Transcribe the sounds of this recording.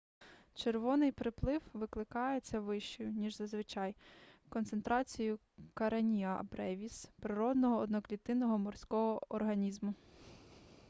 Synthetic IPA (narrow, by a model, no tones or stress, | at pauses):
t͡ʃerʋɔnɪjpɾɪplˠɪwʋɪklˠɪkɑjet͡sʲːɐʋɪʃt͡ʃɔjʊnʲiʒzɐzʋɪt͡ʃɑjkɔnt̪ent̪ɾɑt͡sʲijʊ | kɐɾɐnʲiɐbɾɛʋʲispɾɪɾɔd̪nɔɦɔːd̪nɔklʲit̪ɪnɔɦɔmɔrsʲkɔɦɔɔrɦɐnʲizmʊ